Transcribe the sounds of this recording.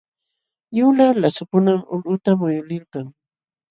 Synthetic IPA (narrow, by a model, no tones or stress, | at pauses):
jʊlalasʊpʊnamʊlʊt̪amʊjʊlɪlkɑŋ